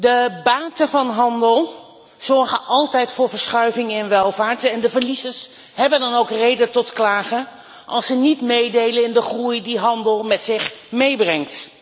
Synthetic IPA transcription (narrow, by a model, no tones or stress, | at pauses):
dəbaːtəvɑnɦɑndəlˠ | z̥ɔɹχəʔɑlˠtɛjtfʊːɹvəɹsχœɥvɪŋɛnʋɛlˠvaːɹtɛndəvəɹlizəs | ɦɛbəndɑnowkrejdətɔtklaːχə | ʔɑlˠsənitmejdejləɪndəχrujdiɦɑndəlˠmɛtsɪχmejbrɛŋt